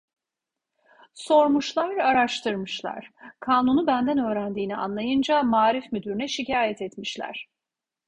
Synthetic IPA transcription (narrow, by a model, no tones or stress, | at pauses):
so̞ɾmuʃlˠaɾaɾaʃt̪ʰɯɾmɯʃlˠa̰ɾ̥kʰaːnunubænd̪ænø̞ːɾænd̪iːnia̰nlˠajɯnd͡ʒamaːɾifmyd̪yɾynɛʃicaːjɛt̪ʰɛt̪miʃlʲæ̰ɾ̝̥